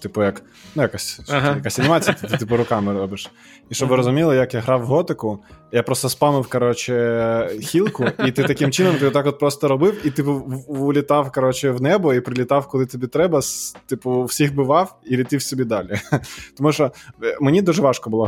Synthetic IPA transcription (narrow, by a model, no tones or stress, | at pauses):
t̪ɪpʊjɐk | nujɐkasʲsjɐkasʲɐnʲɪmɑt͡sʲijɐt̪ɪt̪ɪt̪ɪpʊɾʊkɑmɪɾɔbɪʃ | iʃt͡ʃɔbʋɪɾɔzʊmʲilˠɐjɐkjaɦɾɑwɦɔt̪ɪkʊjapɾɔst̪ɔspɑmɪwkɐɾɔt͡ʃɪxʲilˠkʊit̪ɪt̪ɐkɪmt͡ʃɪnɔmt̪ɪt̪ɑkɔt̪̚pɾɔst̪ɔɾɔbɪwit̪ɪpʊʊlʲɪt̪ɑwkɐɾɔt͡ʃɪwnɛbɔipɾɪlʲit̪ɑwkɔlˠɪt̪ɔbʲit̪ɾɛbɐst̪ɪpʊːsʲixbɪʋɑwilʲit̪ɪwsʲɔbʲid̪ɑlʲit̪ɔmuʃɔmenʲid̪uʒɛʋɑʃkɔbʊlˠɔ